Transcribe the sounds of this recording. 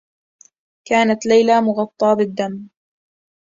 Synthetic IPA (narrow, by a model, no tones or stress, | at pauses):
kaːnat̪lajlaːmʊɣɑt̪ˤːɑːbɪd̪ːam